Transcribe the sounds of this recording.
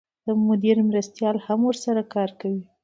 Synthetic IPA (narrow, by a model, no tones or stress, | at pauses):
d̪̥əmʊd̪iɾmɾast̪jɑlhamwʊɾsaɾakɑɾkawi